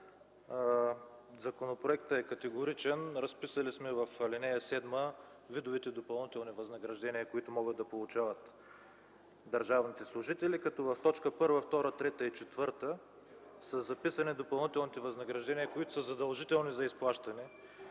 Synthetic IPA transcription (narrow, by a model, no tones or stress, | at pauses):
zɐkonopɾoɛkt̪əɛkɐt̪ɛɡʊɾit͡ʃɛnɾɐspisəlismɛvɐflinɛjɐsɛd̪mə | vid̪ʊvit̪ɛd̪opɐlˠnit̪ɛlˠnivɐznɐɡɾɐʒd̪ɛniəkoit̪ʊmɔɡət̪ːɐpolˠʊt͡ʃavɐt̪ | d̪ɐɾʒavnit̪ɛslˠʊʒit̪ɛlikɐt̪ɔvɐft̪ɔt͡ʃkəpɤɾvəft̪ɔɾət̪ɾɛt̪əit͡ʃɛt̪vɤɾt̪ə | səzɐpisɐnid̪opɐlˠnit̪ɛlˠnit̪ɛvɐznɐɡɾɐʒd̪ɛnijəkoit̪ʊsəzɐd̪ɐlˠʒit̪ɛlˠnizɐisplˠaʃt̪ɐnɛ